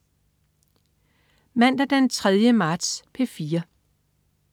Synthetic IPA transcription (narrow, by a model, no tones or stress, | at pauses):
mæn̰d̥æd̥ent͡sʰʁɛð̞ˠjəmɑ̈ːd̥spʰefiːɐ